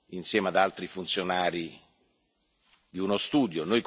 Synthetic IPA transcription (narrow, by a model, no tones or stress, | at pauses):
insjɛːmad̪alt̪ɾifunt̪sjonaːɾi | d̪iunost̪uːd̪jonojk